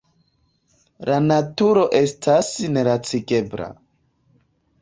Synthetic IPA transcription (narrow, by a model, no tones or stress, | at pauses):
lanatuɾo̞ʔe̞stʰasne̞ɾat͡siɡe̞bɾa̰